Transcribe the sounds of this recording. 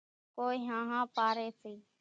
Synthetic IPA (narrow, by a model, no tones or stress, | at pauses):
koːiːɦãːɦãːpaːɾeːsiː